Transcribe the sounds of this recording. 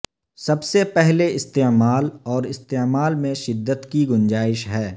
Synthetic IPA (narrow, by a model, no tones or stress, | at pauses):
sɐbsepɛɦleɪst̪eːmaːlɔːɾɪst̪eːmaːlmẽʃɪd̪ːət̪kiɡʊ̃nd͡ʒaːɪʃɦɛː